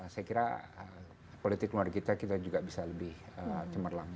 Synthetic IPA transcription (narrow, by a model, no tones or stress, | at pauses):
sajakiɾa̰ə | polit̪ɪkluarkit̪akit̪ad͡ʒuɡabisaləbɪhət͡ʃəmərlaŋ